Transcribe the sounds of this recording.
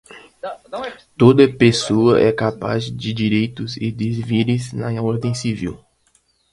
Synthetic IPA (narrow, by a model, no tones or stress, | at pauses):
t̪od̪ɐpesoɐʔɛkapa̰zd͡ʒɪd͡ʒiɾejt̪ʊzɪd̪ɪzviɾɪznɐɔɾd̪ẽj̃sivḭw